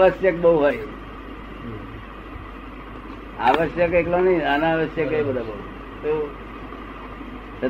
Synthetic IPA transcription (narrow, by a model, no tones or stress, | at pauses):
ʋəsjək̚bəɦuɦəj | a̰ʋəsjəkeklonəiənaʋəsjəkəibəd̪ʱabəɦuɦ | t̪o | sə